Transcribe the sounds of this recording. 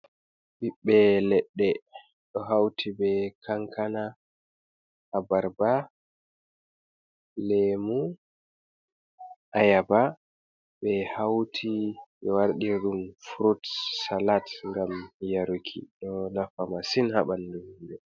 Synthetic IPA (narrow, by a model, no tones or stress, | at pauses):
biɓːɛlɛɗːɛ | ɗɔɦawtʰibɛkʰaŋkʰana | habaɾba | lɛmu | ʔajaba | bɛhawtʰiɓɛwaɾɗiɾɗumfuɾutsalatŋɡamjaɾukʰḭɗɔnafamasinhaɓanːdummbɛ